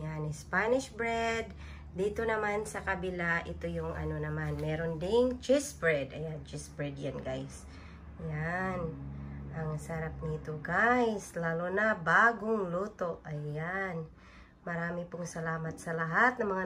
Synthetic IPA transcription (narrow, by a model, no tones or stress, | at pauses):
janɪspanɪʃbɹɛd̪ː | iːt̪o̞nɐmansɐkɐbɪlaʔɪt̪ojʊŋʔɐ̰no̞nɐmanmɛːɾo̞nd̪ɪŋt͡ʃɪsbɹɛd̪ɐjant͡ʃɪsbɹɛd̪janɡajs | janʔɐŋsɐɾap̚nit̪oɡajslalonabaːɡoŋluːt̪o̞ʔɐjan | mɐɾaːmɪpʊŋsɐlaːmɐt̪̚sɐlɐɦat̪̚nɐŋmɐŋa